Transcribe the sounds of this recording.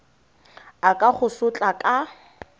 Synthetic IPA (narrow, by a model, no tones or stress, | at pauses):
akʼaχʊsʊt͡ɬʼakʼa